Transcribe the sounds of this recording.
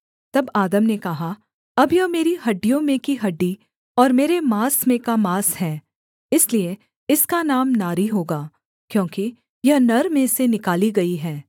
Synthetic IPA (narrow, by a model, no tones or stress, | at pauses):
t̪ɐbaːd̪əmnekɐɦa | ɐbjɐɦmeːɾiɦɐɖːijõmẽkiɦɐɖːi | ɔːɾmeːɾemaːsmẽkamaːsɦɛ̃ː | ɪslie | ɪskanaːmnaːɾiɦoːɡaː | kjõːki | jɐɦnɐɾmẽsenɪkaːliɡɐiɦɛː